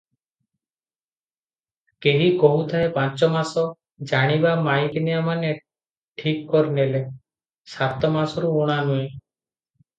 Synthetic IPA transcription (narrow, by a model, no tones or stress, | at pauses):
keɦikɔɦut̪ʰaepant͡ʃɔmasɔ | d͡ʒaɽ̃ibamajknijamane | ʈʰikkɔɾnele | sat̪ɔmasɔɾuuɽ̃anuẽ